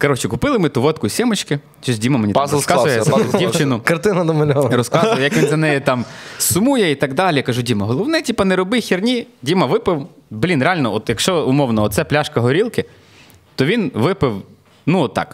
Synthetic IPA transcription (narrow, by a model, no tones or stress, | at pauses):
kɐɾɔt͡ʃɪkʊpɪlˠɪmɪt̪uʋɔt̪kʊsʲɛmɔt͡ʃkɪ | t͡ʃɔs̬ʲdʲimɐmenʲipɔskɑzʊjjasɛdʲiwt͡ʃɪnʊkɐrt̪ɪnɐd̪ɔmɐlʲɔɐrɔskɑʊʋjjɐkʋʲinzɐnɛjɛt̪ɑmsʊmujɛit̪ɐɡd̪ɑlʲɪjkɐʒudʲimɐɦɔlˠɔwnɛtʲipɐnɛɾɔbɪxʲirnʲidʲimɐʋɪpɪwblʲinɾeɑlʲnɔɔt̪jɐkʃt͡ʃɔʊmɔwnɔɔt̪sɛplʲaʃkɐɦɔɾʲilˠkɪ | t̪ɔʋʲinʋɪpɪw | nuɔt̪ːɑ̰k